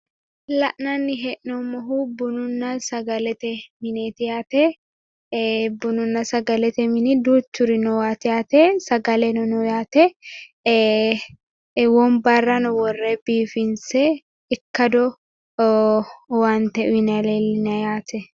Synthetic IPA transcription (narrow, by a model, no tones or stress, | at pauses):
lɐʔnɐnːɪɦɛʔnɔmɔɦubʊnʊnːɐsɐɡɐlɛt̪ɛmɪneːt̪ɪjaːt̪ɛ | bʊnʊnːɐsɐɡɐlɛt̪ɛmɪnɪd̪uːt͡ʃːʊɾɪnɔwaːt̪ɪjaːt̪ɛsɐɡɐlɛnɔnɔjaːt̪ɛ | wɔmbɐrːɐnɔwɔrːebiːfɪnsɛ | ɪkːɐd̪ɔ | waːnt̪ɛʔʊɪnɐlelːɪnɐjaːt̪ɛ